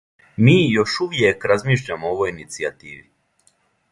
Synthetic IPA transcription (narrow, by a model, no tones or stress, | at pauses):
miːjo̞ʃuʋje̞kɾazmiːʃʎamooʋojinit̪siat̪iːʋi